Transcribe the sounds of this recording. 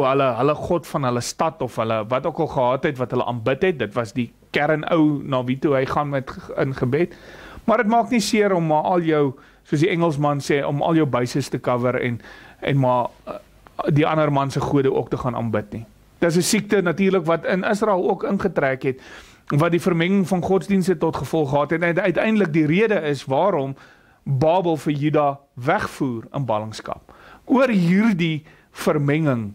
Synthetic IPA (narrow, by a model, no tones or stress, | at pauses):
ɦələɦələχɔtfɐnɦələstɐtɔfɦələvɐtuəkɐlˠχəɦɑːtɛtvɐtɦələ̰ʔɑ̰ːnbətɦɛt̚dətvɐsdi | kæɾənə̰wnɑːvituɦəjχɑnmɛtənχəbɛtmɐrdətmɑːknisiəɾɔmːɑʔɐlˠjəw | suəs̬diɛŋəlˠs̬mɐnsɛːʔɔmɐ̰lˠjəwbɐɥsəstəkɐvəɾɛ̰nɛ̰nmɑ | diʔɐnərmɐnsəχuədəʔuək̚təχɑːnɑ̰ːnbətni | d̥əts̬əsik̚tənɐtiːrləkvɐtənəsrɑɛlˠuəkənχətɾæːkɦɛt | vɐt̚difərmɛŋəŋfɐnχɔtsdinstətɔtχəfɔlˠχəɦɑːtɦɛtɛntœɥtɛjndələk̚diɾiədəəsvɑːɾɔm | bɑːbəlˠfəjydɑː | væχfuːrə̰nbɐləŋskɐ̰p̚uərɦiːrdi | fərmɛŋəŋ